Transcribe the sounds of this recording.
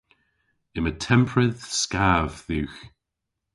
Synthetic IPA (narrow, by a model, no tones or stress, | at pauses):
ɪmətʰɛmpʰɹəðskaːvðʉːx